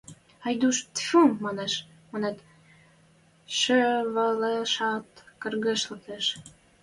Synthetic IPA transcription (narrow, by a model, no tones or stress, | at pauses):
ɑjd̪uʃt̪fummɑneʃ | monet̪ | ʃøβɑleʃɑt̪kə̆rɣeʃlə̆keʃ